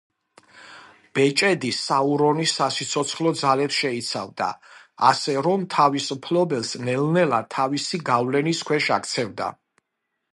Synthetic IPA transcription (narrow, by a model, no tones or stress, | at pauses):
b̥ɛt͡ʃʼɛd̪isauɾɔnisːasit̪sʰɔt̪sʰχlɔd̪zalɛpsʃɛit̪sʰa̰vd̪a̰a̰sɛɾɔmt̪ʰavispʰlɔbɛlˠsnɛlnɛlat̪ʰavisiɡavlɛniskʰwɛʃakʰt̪sʰɛvd̪a̰